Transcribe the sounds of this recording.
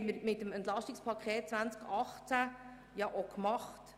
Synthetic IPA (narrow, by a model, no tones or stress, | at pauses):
məɾmɪtəmɛnt̪lɑʃtikspʰɑkʰχeːt̚t͡sʋvænt͡skɑχt͡sæ | jɑʔokmɑχt